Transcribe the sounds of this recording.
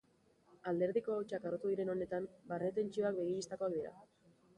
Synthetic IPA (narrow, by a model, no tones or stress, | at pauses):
ald̪e̞ɾðiko̞awt͡ʃakarot̪uð̞iɾe̞no̞ne̞t̪ambaret̪e̞nt͡ʃio̞ak̚be̞ɣ̞iɾist̪ako̞ak̚d̪iɾa̰